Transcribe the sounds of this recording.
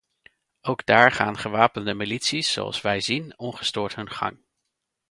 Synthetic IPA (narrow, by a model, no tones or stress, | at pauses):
owɡdaːɹχa̰ːnχəʋaːpəndəmilitsisːo̰wɑ̰lˠsʋɛjzinɔnχə̥stʊːɹtɦɵnχɑ̰ŋ